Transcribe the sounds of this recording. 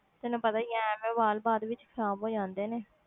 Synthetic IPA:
t̪ɪnũːpət̪aːijɛ̃ːmẽːʋaːlbaːd̪ʋɪt͡ʃkʰəɾaːbɦoːd͡ʒãːnd̪eːneː

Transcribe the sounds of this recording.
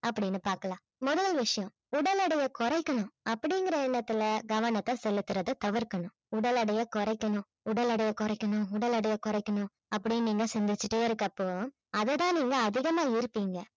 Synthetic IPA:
ʔɐpːɐɽɪnːɯpaːɾkɐlãː | mɔðɐlʋɪʂɐjɔ̃ | ʊɽɐlɐɽɐjɐkɔɾɐɪkːɐɳʊ̃ɐpːɐɽɪŋɡɪɾɐɛnːɐt̪ːɪlɐɡɐʋɐɳɐt̪ːɐsɛlːɯt̪ːɯɾɐðɯt̪ɐʋɪɾkːɐɳʊ̃ | ʊɽɐlɐɽɐjɐkɔɾɐɪkːɐɳʊ̃ | ʊɽɐlɐɽɐjɐkɔɾɐɪkːɐɳʊ̃ʊɽɐlɐɽɐjɐkɔɾɐɪkːɐɳʊ̃ | ɐpːɐɽɪjniːŋɡɐsɛnd̪ɪt͡ʃːɯʈːeɪɾɯkːɐpːoː | ɐðɛt̪ãːniːŋɡɐːðɪɣɐmaːɪɾɯpːiːŋɡɐ

